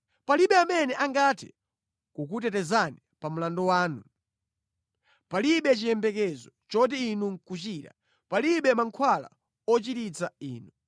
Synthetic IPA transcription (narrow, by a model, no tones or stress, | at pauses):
paliɓɛamɛnɛʔaŋɡatʰɛ | kukut̬ɛtɛzanipam̩landɔwaːnu | paliɓɛt͡ʃijɛmbɛkɛzɔt͡ʃɔt̬ɛinuŋkut͡ʃita̰ | paliɓɛmaŋkʰwala̰ | ɔt͡ʃitit͡saḭːnu